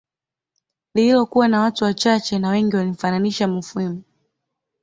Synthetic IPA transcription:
lilɔkuwanawatuwat͡ʃat͡ʃɛnawɛŋɡiwalim̩fananiʃamufuimu

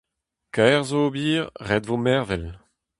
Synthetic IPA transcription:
kaʁzoːbiːʁʁɛd̪vomɛʁvɛl

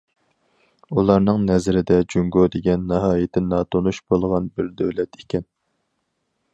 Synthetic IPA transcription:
ulˠɑɾnɨŋnɛzɾɪd̪ɛd͡ʒuŋɡod̪eɡʲɛnːɑɦɑːjɪt̪ʰɪnɑːt̪ʰonuʃbolˠʁɑnbɪɾd̪øwlɛt̪ʰe̥kʲɛn

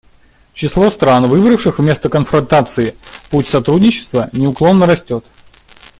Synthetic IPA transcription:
t͡ɕɪslˠo̞st̪ɾanvɨbɾəfʂɨxvmʲe̞st̪əkənfɾɐnt̪at̪sɨɪputʲsɐt̪ɾudʲnʲɪt͡ɕːɪ̥st̪vənʲɪʊklˠo̞nːəɾɐsʲtʲo̞t̪

